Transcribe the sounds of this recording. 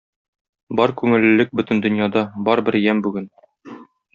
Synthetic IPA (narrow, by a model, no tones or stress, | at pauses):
bɒɾkʉŋɘ̆lɘ̆ːɘk̚bɵt̪ɘ̆nd̪ɵ̆njɑd̪ɑbɒɾbɘɾjæmbʉɡɘn